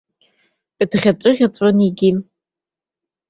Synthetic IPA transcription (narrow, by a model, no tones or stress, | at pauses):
dʁʲaʈ͡ʂʷʼɨʁʲat͡sʷʼoniɡʲi